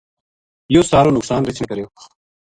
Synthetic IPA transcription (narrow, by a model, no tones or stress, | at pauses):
joːsaːɾoːnʊksaːnɾɐt͡ɕʰnekɐɾejo